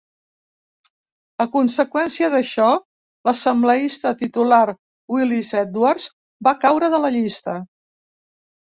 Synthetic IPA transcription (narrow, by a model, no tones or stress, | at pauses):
əkunsəkwɛnsiəðəʃɔ | ləsəmbləist̪ət̪it̪ulaɾ | wilizɛt̪warz | bakawɾəðələʎist̪ə